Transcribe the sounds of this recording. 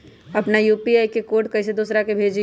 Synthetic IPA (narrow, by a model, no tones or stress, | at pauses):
ɐpnajuːpiaːjkekoːʈ̚kɐɪs̬ed̪uːsɾakebʱeːd͡ʒi